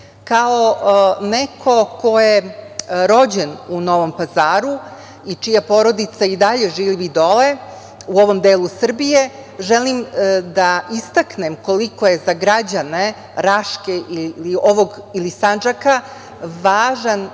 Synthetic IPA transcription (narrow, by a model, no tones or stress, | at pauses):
kaonekʰo̞kʰo̞jeɾo̞d͡ʑenuno̞ʋo̞mpazaːɾu | it͡ʂijapo̞ːɾo̞d̪it̪said̪aʎe̞ʒiːʋid̪o̞le | uo̞ʋo̞md̪eːlˠusr̩bije | ʒelimd̪aʔist̪aknemko̞liko̞je̞zaɡɾad͡ʑane | ɾaʃkeʔililioʋo̞ɡilisand͡ʒaka | ʋaːʒan